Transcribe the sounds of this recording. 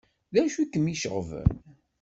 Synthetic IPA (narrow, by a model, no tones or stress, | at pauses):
ðæʃikːəmiʃəʁvə̰n